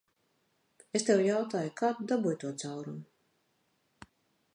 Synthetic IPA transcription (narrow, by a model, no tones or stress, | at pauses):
est̪ewjawt̪aːjukaːtd̪abujt̪uɔt̪sawɾumu